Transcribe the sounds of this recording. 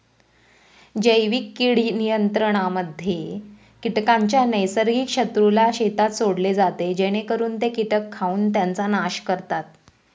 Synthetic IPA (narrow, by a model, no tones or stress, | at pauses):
d͡ʑəjʋikːiɽ̤iːnijənt̪ɾəɽ̃aməd̪ʱːje | kiʈkaɲt͡ɕjanəjsəɾɡiːkʂət̪ɾulaɕet̪at̪soɽled͡zat̪ed͡ʑeɽ̃ekəɾuːnt̪ekiʈəkʰːauːnt̪jant͡sanaɕkəɾt̪at̪̚